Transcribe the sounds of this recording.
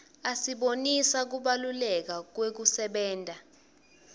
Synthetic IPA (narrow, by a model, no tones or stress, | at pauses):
asiɓonisak̬uɓalulɛk̬ak̬wek̬usɛɓɛːntʼa